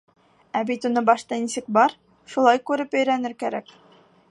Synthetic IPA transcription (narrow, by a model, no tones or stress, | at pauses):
æbit̪unɤbɑʃt̪ɑnisɘk̚bɑɾ | ʃulˠɑjkʉɾɘpɵ̆jɾænɘɾkæɾæk